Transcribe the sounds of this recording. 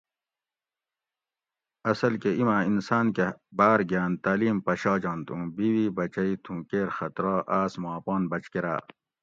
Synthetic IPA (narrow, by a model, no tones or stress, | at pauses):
ɐsɐlkeimãːinsaːnkebaːɾɡaːnt̪aːliːmpɐɕɑːd͡ʑɑːnt̪ũːbiwibɐt͡ɕɐit̪ʰũːkeːɾxɐt̪ɾɑːʔaːsmaːpɑːnbɐt͡ɕkeɾa̰ː